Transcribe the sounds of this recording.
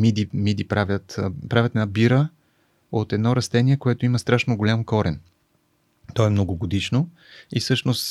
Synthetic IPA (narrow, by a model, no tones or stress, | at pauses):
mid̪imid̪ipɾavʲjət̪pɾavʲət̪ɛnabiɾə | ot̪ɛd̪nɔɾɐst̪ɛnʲiɛkoɛt̪oimɐst̪ɾaʃnoɡolʲamkɔɾɛn | t̪ɔɛmnoɡoɡod̪iʃno | isɤʃnos